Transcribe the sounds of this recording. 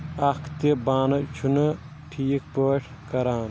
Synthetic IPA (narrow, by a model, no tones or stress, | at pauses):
ɐkʰt̪ibaːnɐt͡ʃʰunɐ | ʈʰiːk̚pəːʈʰkɐɾaːn